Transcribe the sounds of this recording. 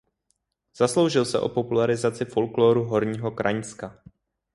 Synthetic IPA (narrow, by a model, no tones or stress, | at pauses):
z̥aslo̞wʒɪlsɛʔo̞̰po̞pulaɾɪzat͡sɪfo̞lkloːɾuɦo̞ɾɲiːɦo̞kɾʔa̰ɲska